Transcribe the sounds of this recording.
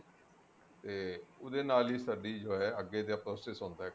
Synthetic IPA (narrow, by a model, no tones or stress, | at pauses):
t̪eːʊd̪eːnaːliːsaːɖiːd͡ʒoːɛːəɡːeːt̪eːəpɾoːsɪsɦõːnd̪aːɦɛ